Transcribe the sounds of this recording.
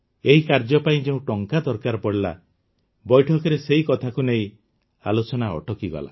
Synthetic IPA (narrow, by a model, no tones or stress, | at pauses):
eɦikaɾd͡ʒɔpaĩd͡ʒeũʈɔŋkad̪ɔɾkaɾɔpɔɽila̰ | bɔjʈʰɔkɔɾeseɦikɔt̪ʰakuneĩ | a̰lot͡ʃɔnaɔ̰ʈɔkiɡɔ̰la̰